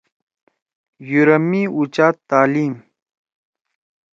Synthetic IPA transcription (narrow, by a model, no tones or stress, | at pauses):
juɾɐmiut͡ɕaːt̪ːaːliːm